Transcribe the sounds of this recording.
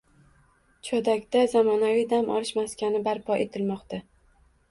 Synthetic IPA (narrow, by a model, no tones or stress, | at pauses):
t͡ʃʰɒd̪akʲd̪azamɒnavijd̪amʔɒ̰lɪʃmaskʲanɪbaɾpʰɒʔe̞t̪ʰɪlmɒqt̪a